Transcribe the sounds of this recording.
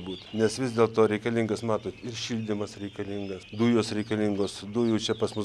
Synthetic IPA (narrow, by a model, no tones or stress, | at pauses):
buːt̪nʲɛsʋʲɪzd̪ʲeːlˠt̪oːɾʲɛɪkɐlʲɪŋɡɐsmɑːt̪oːt̪ɪrʃʲilʲd̪ʲɪmɐsɾʲɛɪkɐlʲɪŋɡɐsd̪uːjoːsɾʲɛɪkɐlʲɪŋɡoːsd̪ʊːjut͡ʃʲɛpɐsmʊ